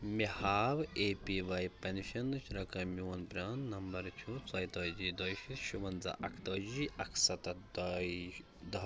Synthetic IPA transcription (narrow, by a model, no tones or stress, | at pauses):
mihaːʋeːpiːʋaːjpɐnʃɐnːɨt͡ʃʰɾɐkɐmjuːnpɾʲaːnnːɐmbɐɾt͡ʃʰut͡sɐjt̪ɐːd͡ʒiːd̪ɐjʃit̪ʃuʋɐnzɐ̰ʔɐkʰt̪ɐːd͡ʒiːʔɐkʰsɐt̪ɐd̪ɐ | d̪ɐ